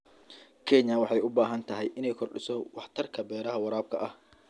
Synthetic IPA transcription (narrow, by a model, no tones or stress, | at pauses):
kʰɛɲɐwɑħɑjʊbaːɦɐnt̪ʰɐɦɛjʔɪnɛjkʰɔrɖɪsɔwɑħt̪ʰɐrkʰɐbɛːɾɐɦɐwɑɾaːb̚kʰɐʔɐh